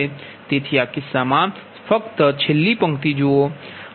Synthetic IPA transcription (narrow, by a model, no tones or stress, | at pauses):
e | t̪eːt̪ʰijakisaːmaːn | pʰəkt̪ət͡ʃʰelːipə̃ŋkt̪id͡ʒoː